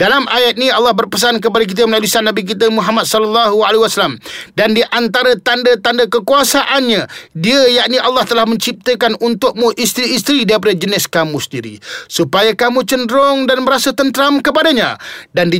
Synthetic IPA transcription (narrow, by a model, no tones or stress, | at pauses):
dalamʔajat̪̚niɑlːɑhbərpəs̬ank̬əpadak̬it̪̬əməlalisanːabik̬it̪̬əmũɦamat̪̚sɔləlːaɦualaɦiwasalamdandiʔant̪aɾat̪andat̪andakəkuasaʔanɲadiəjaʔniʔalːɑht̪əlahmə̃ɲt͡ʃip̚t̪əkanʔunt̪ʊk̚muʔist̪ɾiːst̪ɾidaip̬adad͡ʒənɪskamũsəndiɾḭsupajakamũt͡ʃəndɾɔŋdanməɾasət̪ənt̪əɾamkəpadaɲa̰dandi